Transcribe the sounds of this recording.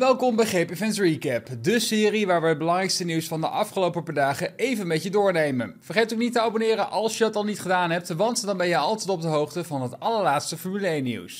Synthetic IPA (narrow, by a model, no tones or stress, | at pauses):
ʋɛlˠkɔmbɛjχejpɪvɛntrikɛpdəsɪːriʋaːɹʋəəd̚bəlɑŋrɛjkstəniwsfɑndə̰ʔɑfχəlowpəpadaːχəejvənmɛtjədʊːɹnejmə̰nv̥ərχejtoknitəɑbonɪːɾənʔɑlˠsjədɑtɑlˠnitχədaːnɦɛp̚tʋɑntdɑnbɛjəɑlˠtɛjtɔb̚dəɦowχtəvɑnɦətɑləɹlaːtstəfɔɹmylejnḭws